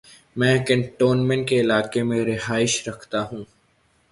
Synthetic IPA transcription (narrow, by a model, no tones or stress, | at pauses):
mɛ̃ːkə̃ɳʈoːnmɛ̃ɳʈkeɪlaːkemẽɾɪɦaːɪʃɾɐkʰt̪aɦũː